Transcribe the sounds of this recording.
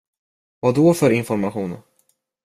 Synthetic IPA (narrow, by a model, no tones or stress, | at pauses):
vad̪ɔfœɾɪnfɔɾmaɧuːn